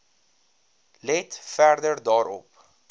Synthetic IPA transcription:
lɛtfærdədɑːɾɔ̰p

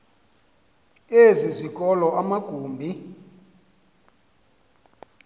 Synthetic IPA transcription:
ezʷizʷikʼɔlɔamaɡ̥ʱuːmbʱi

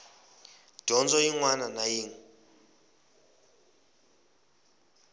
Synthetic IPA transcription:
d̥ʱɔnd͡zɔiŋwananajiːŋ̩

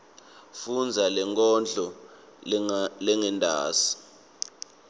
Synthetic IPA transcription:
fund͡zʱalɛŋkʼɔnd͡ɮʱɔ | lɛŋɛndʱa̰ːsi̥

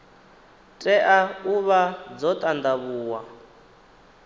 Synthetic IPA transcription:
tʼɛʔauβad͡zɔt̪ʼand̪aβuːwa

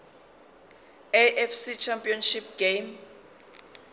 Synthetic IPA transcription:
eʔɛfsit͡ʃʰampʼiɔnʃipɡ̥em

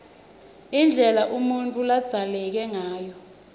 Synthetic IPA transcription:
ind͡ɮʱɛlaʔumuntʼulad̥z̥ʱalɛk̬ɛŋaːjɔ

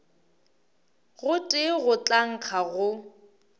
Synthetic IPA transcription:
ɣʊtʼɪɣʊt͡ɬʼaŋ̩q͡χʰaɣʊ

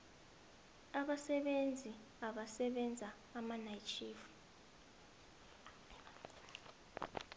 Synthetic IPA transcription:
aɓasɛɓend͡zʱi | aɓasɛɓɛnd͡zʱaːmanajt͡ʃʰiːfu̥

